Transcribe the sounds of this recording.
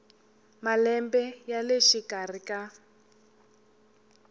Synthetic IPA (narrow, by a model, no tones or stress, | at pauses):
malɛmbɛjaleʃikar̤ikʼa